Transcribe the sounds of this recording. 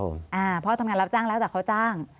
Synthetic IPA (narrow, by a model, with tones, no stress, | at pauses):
o̰˧˩ʔaː˧˩pʰɔ˦˥t̪ʰa˧mŋaː˧nɾa˦˥p̚t͡ɕaː˥˩ŋlɛː˦˥wt̪ɛ˨˩ka˦˥wt͡ɕaː˥˩ŋ